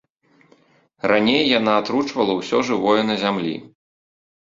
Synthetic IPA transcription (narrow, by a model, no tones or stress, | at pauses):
ranʲejːanaːt̪ɾut͡ʂvɐlˠɐwsʲɔʐɨvɔjɐnɐzʲamlʲḭ